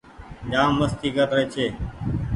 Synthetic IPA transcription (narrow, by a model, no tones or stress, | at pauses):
ɲaːmːəst̪ʰiːkəɾɾeːt͡ʃʰeː